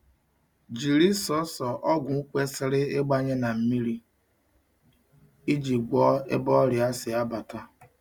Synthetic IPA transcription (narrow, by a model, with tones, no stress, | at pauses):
d͡ʒi˨ɾi˦sɔ˦sɔ˨ʔɔ˦ɡʷʊ˨u˦kʷe˦sɪ˦ɾɪ˦e˦ɡ͡ba˦ɲe˦na˨m̩˦mi˦ɾi˦ | i˦d͡ʒi˨ɡʷɔ˦ḛ˦bɔ˦ɾɪ˨a˦sɪ˨a˦ba˨ta˦